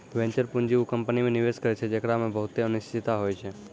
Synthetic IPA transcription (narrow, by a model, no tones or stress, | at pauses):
ʋẽɲt͡ʃəɾpʊɲd͡ʒiukə̃mpənimẽnɪʋeʃkəɾet͡ʃʰed͡ʒekɽamẽbəɦʊt̪eənɪʃt̪ʰɪt̪aɦoːjt͡ʃʰe